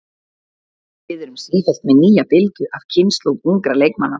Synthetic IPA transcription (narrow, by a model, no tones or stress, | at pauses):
vɪðɛɾʏmsiːfɛl̥t̪mɛniːjapɪlt̪ʏʔav̥cʰɪnst̪lowpuŋkɾalejkmanːa